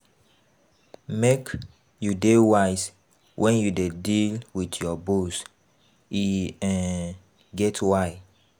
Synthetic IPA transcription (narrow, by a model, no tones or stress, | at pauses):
mek | judewaɪs | wʔɛ̃njudedilwitjɔbus | iɛ̃ | ɡɛtwaɪ